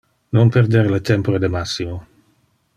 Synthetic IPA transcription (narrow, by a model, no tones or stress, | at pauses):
nompeɾd̪eɾlet̪empoɾed̪emasːimo